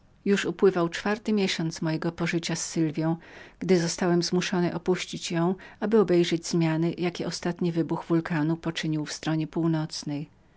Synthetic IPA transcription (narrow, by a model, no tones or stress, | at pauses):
juʂupwɘvawt͡ʂfaɾt̪ɘmʲjeɕɔnt̪smɔjɛɡɔpɔʐɘt͡ɕasːɘlvʲjɔ̃w̃ɡ̥d̪ɘzɔst̪awɛmzmuʂɔnɘʔɔpuɕt͡ɕit͡ɕjɔ̃w̃abɘɔbɛjʐɛd͡ʑzmʲjanɘjakʲɛʔɔst̪at̪ɲivɘbuɣvulkanupɔt͡ʂɘɲiwfst̪ɾɔɲɛpuwnɔt̪snɛj